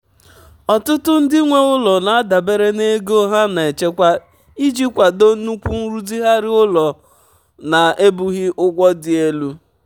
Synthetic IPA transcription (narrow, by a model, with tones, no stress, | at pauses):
ɔ˨tʊ˦tʊ˦n̩˦dɪ˦ŋʷe˦ʊ˦lɔ˨na˨a˦da˨be˦ɾe˦ne˦ɡo˦ɦa˦na˨e˨t͡ʃe˦kʷa˦ | i˦d͡ʒi˦kʷa˨do˦nu˦kʷu˦n̩˦ɾu˦di˦ɦa˦ɾɪ˦ʊ˦lɔ˨ | na˨e˦bu˦ɣɪ˦ʔʊ˦ɡʷɔ˦dɪ˨e˦lu˦